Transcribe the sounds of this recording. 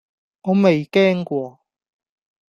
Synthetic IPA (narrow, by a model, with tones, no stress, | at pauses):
ŋɔː˨˧me˨jkɛː˥ŋkwɔː˧